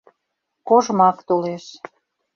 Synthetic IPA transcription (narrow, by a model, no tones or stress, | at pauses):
koʒmɑkt̪oleʃ